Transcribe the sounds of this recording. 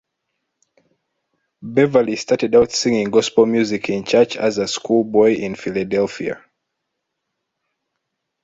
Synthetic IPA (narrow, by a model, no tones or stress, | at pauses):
bɛvəlistatɛdaʊtsĩŋɪ̃ŋɡɔspəmjuzikʰĩnt͡ʃat͡ʃa̰zəskʰulˠbɔɪʔĩnfiladɛlˠfia̰